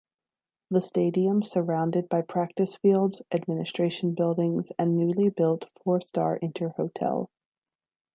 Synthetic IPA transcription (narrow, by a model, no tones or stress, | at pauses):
ðəsteɪɾiə̃msə˞ãʊ̃ndɨd̚baɪpʰɹ̥æk̚tɨsfilˠdz̥ʔɨd̚mɪ̃nɨstɹ̥eɪʃn̩bɪlˠdɪ̃ŋzɨ̃nːʉlˠibɪlˠtfɔɹstɑ̰ɹʔɪ̃ntʰə˞hoʊtʰɛ̰lˠ